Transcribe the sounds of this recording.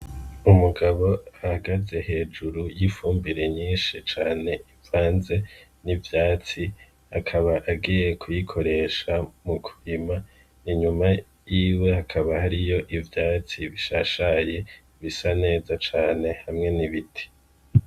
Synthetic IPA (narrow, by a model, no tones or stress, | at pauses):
umuɡaβo̞ahaɡaze̞he̞ːd͡ʒuɾujifuːmbiɾe̞ɲiːnʃit͡ʃaːne̞ivaːnze̞nivjaːt͡si | hakʰaβaʔaɡiːje̞kʰujikʰo̞ɾe̞ʃamukʰuɾima | iɲuma | jiːwe̞hakʰaβahaɾijo̞ʔivjaːt͡siβiʃaʃaje̞ | βisane̞ːzat͡ʃaːne̞hamŋe̞niβitʰi̥